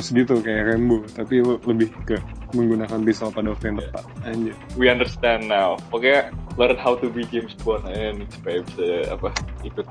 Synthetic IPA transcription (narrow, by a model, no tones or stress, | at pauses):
sɡit̪ukajaɾɛmbot̪apiləbɪhkəməŋɡunakanpisalpadawak̚t̪ujaŋt̪əpat̪̚ad͡ʒawiandəɾst̪ɛ̃nnawakajalaɾət̪hawt̪ubid͡ʒemsbɔnɛnispabsəa̰paik̪u